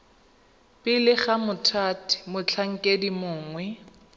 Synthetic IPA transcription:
pɪlɪχamʊtʰaːtʰi̥mʊt͡ɬʰaŋ̩kʼedimʊːŋwɛ

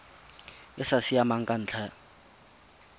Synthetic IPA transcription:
ɪsasiamaŋ̩kʼan̩ːt͡ɬʰɛ

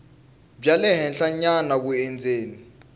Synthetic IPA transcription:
b͡ʐjalɛɦɛnɬaɲanak̬uɛnd͡zʱeːni

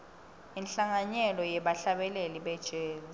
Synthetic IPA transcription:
inɬaŋaɲɛlɔjɛɓaɬaɓɛleliɓɛd̥ʒ̥ʱeːzi

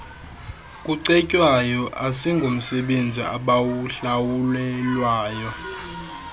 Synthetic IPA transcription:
kʼuǀɛcʼwajɔʔasiŋɡʱum̩sɛɓend͡zʱḭʔa̰ɓawuɬawulɛlwaːjɔ

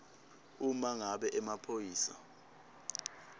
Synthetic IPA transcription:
umaŋaɓɛʔɛmapʰojiːsa̰

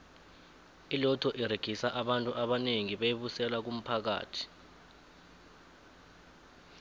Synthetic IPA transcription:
ilɔtʰɔʔiɾeɡ̥ʱisaʔaɓantʼuʔaɓaneŋiɓejiɓusɛlak̬um̩pʰak̬a̰ːtʰi̥

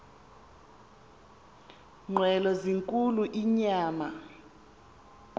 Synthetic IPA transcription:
ŋ͡ǃʱwɛlɔziŋkʼuluʔiɲaːma

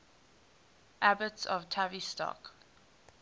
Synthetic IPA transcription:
ʔabətsɔ̰v̥tʰavistɔ̰k

